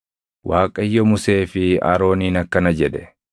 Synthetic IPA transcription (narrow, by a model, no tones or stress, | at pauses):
wʔaːkʼɐjːɔmʊse̞ːfɪa̰ːɾo̞ːniːnɐkːɐnɐd͡ʒɛd̪ɛ